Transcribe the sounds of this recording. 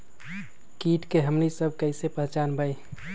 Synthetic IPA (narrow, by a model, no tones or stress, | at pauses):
kiːʈkeɦəmnisəb̚ʱkəɪsepəɦt͡ʃanbəj